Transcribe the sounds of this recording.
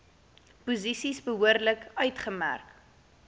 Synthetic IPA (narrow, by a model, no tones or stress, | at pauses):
puzisisbəɦuərdləkœɥtχəmæ̰rk